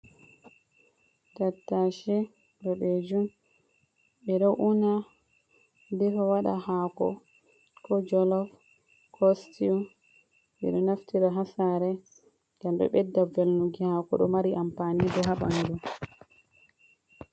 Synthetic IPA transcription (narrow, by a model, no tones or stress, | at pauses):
tatːaʃɛ | ɗɔɓed͡ʒum | ɓɛɗɔwʔuna | dɛfawaɗa̰hakɔ̰ | kʰɔd͡ʒɔlɔf | kʰɔstiu | ɓɛ̰ɗɔnaftiɾaɦasaɾɛ | ɡamɗɔ̰ɓɛdːavɛlnuɡihakɔ̰ɗɔmaɾiʔampanidɔɦaɓanidu